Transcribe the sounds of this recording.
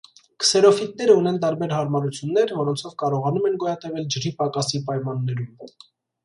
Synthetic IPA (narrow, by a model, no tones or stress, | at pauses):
kə̥sɛɾɔfit̪̚nɛɾəunɛnt̪̬ɑɾbɛɾɦɑɾmɑɾut͡sʰjunːɛɾvɔɾɔnt͡sʰɔvkɑɾɔʁɑnumɛnɡɔjɑt̪ɛvɛld͡ʒəɾipɑkɑsipɑjmɑnːɛɾum